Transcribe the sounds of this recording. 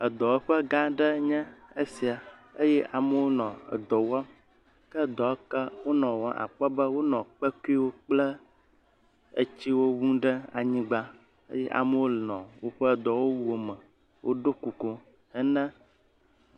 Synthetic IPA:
ə˨d̪ɔ˨wo˦ɸə˦ɡã˦ɖɛ˦ɲɛ̃˦ə˦si˨a˨ə˦jɛ˦ʔa˨mə˦wo˦nɔ̃˨ə̰˨d̪ɔ˨wa˦m | kə˦˨d̪ɔ˨˦kə˦wo˦nɔ̃˨wɔ̃˨˦ʔa̰˨k͡pɛ˦bə˦wo˦nɔ̃˨k͡pɛ˦ku˦i˦wo˦k͡plɛ˦ | ə̰˦t͡ɕi˦wo˦wũ˦ɖɛ˦a˨ɲĩ˦ɡ͡ba˦ | ə̰˦jɛ˦ʔa̰˨mə˦wo˦lɔ̰̃˨wo˦ɸə˦˨d̪ɔ˨wo˦wu˦o˨mə̃˨ | wʔo̰˦ɖo˦ku˨ko˦ | ɛ˦nɛ̃˦

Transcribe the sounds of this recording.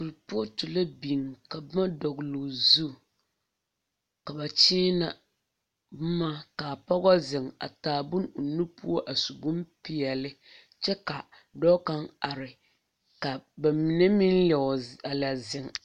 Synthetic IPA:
ku˨lpu˦o˦tu˨la˦bi˨ŋ˨ka˨bma˦dɔ˨ɡlʊ˨zu˦˨ | ka˨ba˨t͡ʃiː˦na˨˦ | ma˦ka˨pa˦ɡɔ˦zɪ˨ŋa̰˨taː˨bʊ˦nʊ˨nu˦pu˦o˦ʔa˨su˨ɡu˦mpɪ˨jɛ˨lɪ˦ | t͡ʃɛ˦ka˨ | dɔ˦ka˦ŋa˨ɾɪ˨ | ka˨ba˨mi˨nɛ˦mi˦nɛ˨a˨la˨zɪ˨ŋ

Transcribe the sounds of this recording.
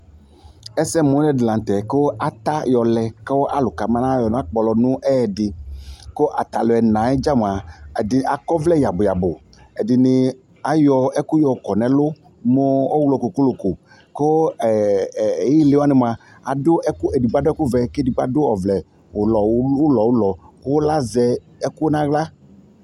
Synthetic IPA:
ɛ˦sɛ˦mo˨˦nɛ̃˦dlã˨n˨t̪ɛ˨ko˦a˨t̪a˦jɔ˨lɛ˨kɔ˦wʔa̰˦lo˨ka˨mã˦nã˦jɔ˨nɔ̃˨˦a˦k͡pɔ˨lɔ˨nũ˦ʔɛ˦˨dɪ˨ko˦ʔa˨t̪a˨lo˨ɛ˨nã˨˦ɛ˦d͡ʒa˦m˨a˨dɪ˨a˨kɔ˦vlɛ˦ja˨bo˨ja˨bo˨ | e˨dɪ˨nɪ˨ | a˨jɔ˨ɛ˦ku˦jɔ˨kɔ˨nɛ̃˨lo˦ | mo˦o˦wlɔ˨ko˨ko˦lo˨ko˨ | ko˦˨ | ji˦le˨˦wa˦nɪ̃˨m˨a˨ | a˨dʊ˦ɛ˦ku˦e˨di˨ɡ͡ba˨˦dɛ˦ku˦vɛ˨kdi˨ɡ͡ba̰˦dʊ˦ɔ˨vlɛ˨ | o˨lɔ˨˦o˦lɔ˨wo˦lɔ˨kwo˦la˦zɛ˨ | ɛ˦ku˦nã˦ɣla˦

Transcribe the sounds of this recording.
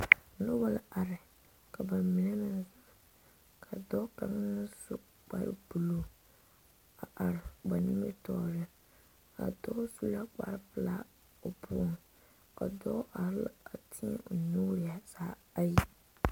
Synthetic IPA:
nʊ˦ba˦la˨a˨ɾɪ˨ | ka˨ba˨mi˨ne˦nɪ˦za˨ | kʰa˨dɔ˦ka˨ŋ˦su˦ | k͡pa̰˨ɾɪ̰˦bu˨lo˨ | a˨ʔa˨ɾɪ˨ba˨ni˦me˦tɔ˨ɾɪ˦ | a̰˨dɔ˦su˦la˦k͡pa̰˨ɾɪ˦pɨ˨la̰˦ | o˨bʊ˦ɔ˨n | a˨dɔ˦ʔa˨ɾɪ˦la̰˨a˨tʰɪ˦ɛ̰˦˨nuː˦ɾɪ˨a˨saː˨˦ | a˦ji˦

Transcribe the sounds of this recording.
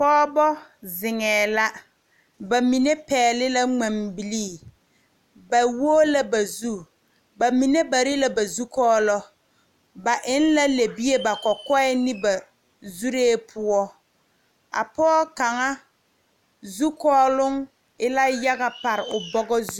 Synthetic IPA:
pɔː˦bɔ˦zɪ˨ŋɛː˨la˦ | ba˨mi˨ne˦pɛː˨lɪ˦la˦ŋ͡ma˨mbi˨liː˦˨ | ba˨woː˦la˦ba˨zu˦ | ba˨mi˨ne˦ba˨ɾi˦la˦ba˨zu˦kɔː˦lɔ˦ | ba˨ʔɪ˦n˦la˦le˨bi˦e˦ba˨kɔ˨kɔ˦ɛ˦nɪ˦ba˨ | zu˦ɾeː˦pʰʊ˦ɔ˦ | a̰˨pɔː˦ka˨ŋa˦ | zu˦kɔː˦lʊ˦ŋ | ɪ˦la˦ja˦ɣa˨pa˨ɾɪ˨ʊ˨bɔ˦ɡɔ˦zu˦

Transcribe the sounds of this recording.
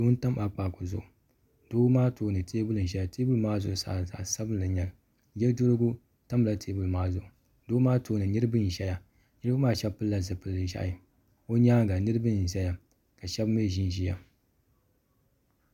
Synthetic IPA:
do˦n˦ta˦ma˨k͡pa˨ko˨zʊ̰˨ʔʊ˨ | d̥oː˦maː˦toː˦nɨ˨teː˦bʊ˦lɨ˨n̩˨ʒɛ˦ja˨te˦bʊ˦lɨ˨maː˦zʊ˨ʔʊ˨sa̰ː˨za̰˨sa˦bɨ˦lɨ˨ɲɛ˨l | jɛ˦ldo˦lɨ˦ɡʊ˦ | ta˦m˨la˦tʰeː˦bʊ˦lɨ˨maː˦zʊ˨ʔʊ˨ | doː˦maː˦tʰoː˦nɨ˨nɨ˦ɾɨ˦bɨ˦n̩˨ʒɛ˦ja˨ | nɨ˦ɾa˦maː˦ʃɛ˦bpɨ˦lla˨zɨ˨pɨ˨˦ɨ˨ʒa̰˦˨i˨ | o˦ɲaː˦ɡa˨nɨ˦ɾɨ˦bɨ˦n̩˨ʒɛ˦ja˨ | ka˨ʃɛ˦bm˦e˦˨ʒi˦n˨ʒi˦ja˨

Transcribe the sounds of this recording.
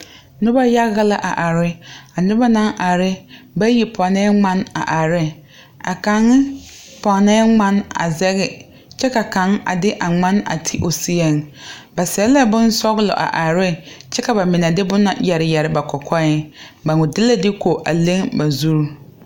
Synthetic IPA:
nʊ˦ba˦ja˦ɣɪ˦la˦ʔa̰˨ʔa˨ɾɪ˦a˨nʊ˦ba˦nã˦ŋʔa˨ɾɪ˦ | ba˦ji˨pʰɔ˨nɛː˦ŋ͡mã˦na̰˨ʔa˨ɾɪ˦ | a̰˨ka˨ŋːɪ˦pɔ˨nɛ˦ŋ͡mã˦na̰˨zɛ˦ɣɪ˨ | t͡ʃɛ˦ka˨ka˨˦ŋa̰˨dɪ˦ʔa˨ŋ͡ma˦na̰˨tʰi˦ʔo˨si˦e˨ŋba˨sɛ˨˦la˦bʊ˦n˦sɔ˦ɣlɔ̰˨ʔa̰˨ʔa˨ɾɪ˦t͡ʃɛ˦ka˨ba˨mɪ˨na˨dɪ˦bʊ˦na̰˨jɛ˨ɾɪ˨jɛ˨ɾɪ˨˦ba˨kʰɔ˨kʰɔ˦ɪ˦ba˨ŋʊ˨dɪ˦la˦dɪ˦kʰo˨ʔa˨le˦ŋba˨zu˦ɾ

